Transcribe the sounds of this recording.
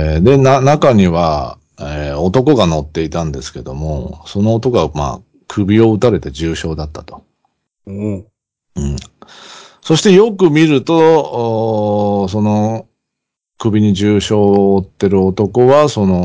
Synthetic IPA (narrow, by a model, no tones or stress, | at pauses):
d̪e̞nanakaɲ̟iβa | eo̞t̪o̞ko̞ɡano̞t̪ːe̞it̪ãnd̪e̞sɨ̥ke̞d̪o̞mo̞̰so̞no̞ːt̪o̞koma̰ː | kʰɯ̟bʲio̞ɯt̪aɾe̞t̪ed͡ʑɨːɕo̞ːd̪at̪ːat̪o̞̥ | ɯ̟̃ɴ | so̞ɕi̥t̪e̞jo̞kɯ̟mʲiɾɯ̟t̪o̞ | s̬o̞no̞ | kɯ̟bʲiɲ̟iʑɨːɕo̞ːt̪ːe̞ɾɯ̟ot̪o̞ko̞βaso̞no̞